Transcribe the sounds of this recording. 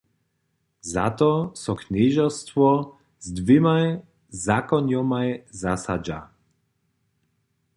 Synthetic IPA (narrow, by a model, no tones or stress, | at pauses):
za̰t̪ɔsɔkɲiʒɔst̪vɔ | zd̪vimaj | zakɔɲjɔmajzasad͡ʒa̰